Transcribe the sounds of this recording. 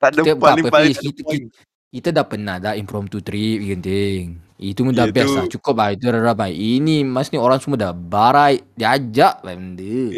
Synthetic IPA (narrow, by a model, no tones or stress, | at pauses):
ait̪əbəapəpskit̪i | kit̪adapənahdaimpɾɔmt̪ut̪ɾipikənt̪eŋ | it̪uməndabiaslat͡ʃukʊp̚ait̪uɾaɾapajʔinimasnioɾaŋsəmuadabaɾajdiad͡ʒaʔbandə